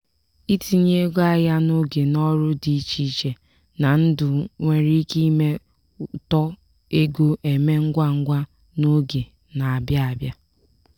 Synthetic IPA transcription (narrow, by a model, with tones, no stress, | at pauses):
i˦ti˦˨ɲe˦ɡa˦ja˦no˦ɡe˨nɔ˦ɾʊ˦di˨˦t͡ʃi˦t͡ʃe˨ | na˨n̩˦dʊ˨ŋʷe˨ɾi˦ki˦me˦ | tɔ˦ | e˦ɡo˦ʔe˨me˦ŋ̩˦ɡʷa˦ŋ̩˦ɡʷa˦ | no˦ɡe˨ | na˨a˨bja˦a˨bja˦